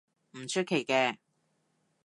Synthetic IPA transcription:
m̩˨˩t͡ʃʰɵ˥t̚kʰːe˨˩jkɛː˧

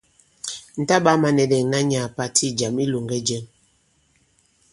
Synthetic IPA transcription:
n̩˨ta˦ɓa˦ma˨nɛ˨dɛ˨ŋ˨na˦ɲa˨pa˦tʰi˦d͡ʒa˨mi˦lo˨ŋɡɛ˦d͡ʒɛ˦m

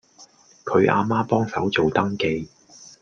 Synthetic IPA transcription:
kʰɵ˨˧ɥʔa̰ː˧maː˥pɔː˥ŋsɐ̰˨˥wt͡so˨wt̪ɐ˥ŋke˧j

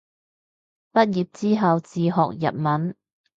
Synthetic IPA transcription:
pɐ˥t̚jiː˨˩p̚t͡siː˥ɦɐ˨wt͡siː˨ɦɔː˨k̚jɐ̰˨t̚mɐ˨˥n

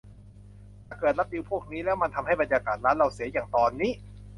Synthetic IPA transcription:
a˨˩kɤː˨˩t̪̚la˦˥p̚di˧wpʰu˥˩k̚niː˦˥lɛː˦˥wma˧nt̪ʰa˧mha˥˩jba˧njaː˧kaː˨˩t̪̚ɾaː˦˥nɾa˧˩wsi˩˦ɐjaː˨˩ŋt̪ɔː˧nːiː˦˥

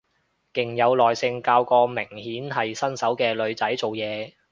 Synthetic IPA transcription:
kɪ˨ŋjɐ˨˧wlɔː˨˩jsɪ˧ŋkaː˧wkɔː˧mɪ˨˩ŋhiː˨˥nɦɐ˨jsɐ˥nsɐ˨˥wkɛː˧lɵ˨˧ɥt͡sɐ˨˥jt͡so˨wjɛː˨˧

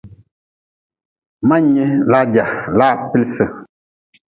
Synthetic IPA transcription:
ma˦ɲe˦la˦d͡ʒa˨la˦˨pi˦lsə˦

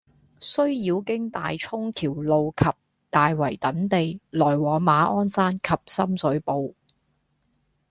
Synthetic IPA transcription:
sɵ˥ɥjiː˨˧wkɪ˥ŋt̪a̰ː˨jt͡ʃʰʊ˥ŋt̪ʰiː˨˩wlo˨wkʰɐ˨p̚ | t̪aː˨jwɐ˨˩jt̪ɐ˨˥nt̪e˨jlɔː˨˩jwɔː˨˧ŋmaː˨˥ʔɔː˥nsaː˥nkʰɐ˨p̚sɐ˥msɵ˨˥ɥpo˨w

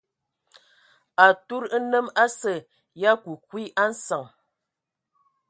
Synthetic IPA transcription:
a˨tu˦ɾə˦nə˦ma˦sə˨ | ja˦ku˨kwi˦ʔa˦n̩˦sa˨ŋ

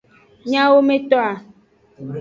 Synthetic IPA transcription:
ɲã˦wo˦mẽ˦t̪ɔ˦a˨

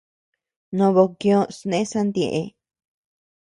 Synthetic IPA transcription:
nõ˧βo˧kjõ˦snẽ˦sa˦nd̪ẽ˨ʔe˧

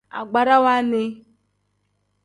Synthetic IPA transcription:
a̰˨ɡ͡ba˨ɾa˦wa˦nɪ˦

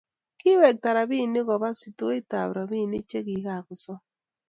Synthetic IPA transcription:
kɪ˦wɛ˨k̚ta˨ɾa˨bi˦˨nɪ˦ɣɔ˨βa˦sɪ˨to˦e˦ta̰˨βɾa˨βi˦˨nɪ˦t͡ʃe˦ki˨˦ka˨kʊ˨sɔ˦

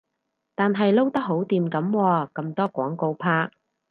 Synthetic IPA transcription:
t̪aː˨nɦɐ˨jlo˥wt̪ɐ˥k̚ɦo˨˥wt̪iː˨mkɐ˨˥mwɔː˧kɐ˧mt̪ɔː˥kʷɔ̰ː˨˥ŋko˧wpʰaː˥k̚

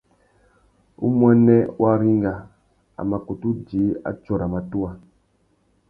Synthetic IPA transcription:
ṵ˦mwa˦nɛ˦wʔa˦ɾi˦ŋ˦ɡa˨ | a̰˨ma˨ko˨tu˦d͡ʒi˨˦a̰˦t͡ʃɔ˦˨ɾa˨ma˨tu˦a˦

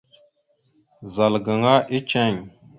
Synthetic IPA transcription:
za˨lɡə˨ŋa˦ʔi˦t͡ʃɛ˦˨ɲ

